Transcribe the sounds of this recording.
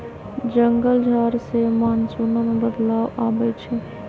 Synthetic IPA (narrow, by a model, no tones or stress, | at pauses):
d͡ʒəŋɡəld͡ʒʱaːɾsemaːnsuːnamebəd̪laːwaːbɛt͡ʃʰɛ